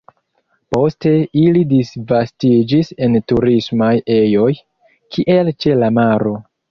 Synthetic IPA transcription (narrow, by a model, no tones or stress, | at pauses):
po̞ste̞ilidisvastid͡ʒise̞ntuɾismaje̞jo̞j | kʰiʔe̞lt͡ʃe̞lamaɾo̞